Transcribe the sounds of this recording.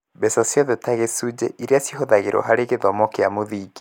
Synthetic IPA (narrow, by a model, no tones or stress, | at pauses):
bɛsasjɔðɛtaɣesud͡ʑɛ̰ʔiɾeasjiɦoðaɣeɾʔɔ̰ɦaɾeɣeðɔmɔkeamoðiːɡe̥